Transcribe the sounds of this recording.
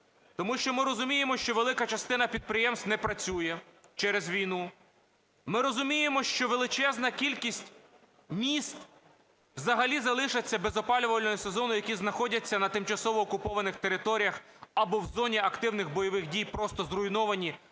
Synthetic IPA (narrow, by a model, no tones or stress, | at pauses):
t̪ɔmuʃt͡ʃɔmɪɾɔzʊmʲijemɔʃt͡ʃɔʋelˠɪkɐt͡ʃɐst̪ɪnɐpʲid̪̚pɾɪjɛmst̪nɛpɾɐt͡sʲujɛt͡ʃɛɾezʋʲijnu | mɪɾɔzʊmʲijemɔʃt͡ʃɔʋelˠɪt͡ʃɛznɐkʲilʲkʲisʲtʲ | mʲist̪ | wzɐɦɐlʲizɐlˠɪʃɐt͡sʲːɐbezɔpɑlʲʊʋɐlʲnɔjʊsezɔnʊjɐkʲiznɐxɔdʲɐt͡sʲːɐnɐt̪ɪmt͡ʃɐsɔʋɔːkʊpɔʋɐnɪxt̪eɾɪt̪ɔɾʲijɐx | ɐbɔwzɔnʲiɐkt̪ɪwnɪxbɔjɔʋɪxdʲijpɾɔst̪ɔzrʊinɔʋɐnʲi